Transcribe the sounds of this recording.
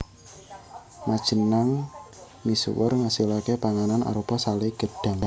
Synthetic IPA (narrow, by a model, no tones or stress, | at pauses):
mad̥ʒ̥ənaŋ | misṵwə̰rŋasilakepaŋanana̰ɾupɔsaleɡ̥əd̥a̤ŋ